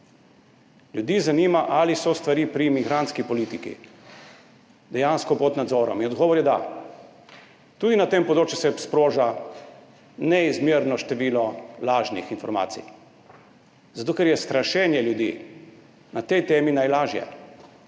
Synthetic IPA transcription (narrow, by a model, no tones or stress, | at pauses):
ljud̪iːzanimaʔalisɔst̪ʋaɾiːpɾimiɡɾant̪skipɔliːt̪ikḭ | d̪ɛjanskɔpɔt̪nad̪zɔːɾɔ̰minɔd̪ɡɔːʋɔɾjɛd̪a̰ | t̪uːd̪inat̪empɔd̪ɾoːt͡ʃjusɛspɾoːʒa | nɛizmjiɾnɔʃt̪ɛʋiːlɔlaːʒnḭxinfɔɾma̰ːt̪sḭ | zat̪oːkɛɾjɛst̪ɾaʃɛnjɛljud̪iː | nat̪ɛjt̪eːminajlaːʒjɛ̰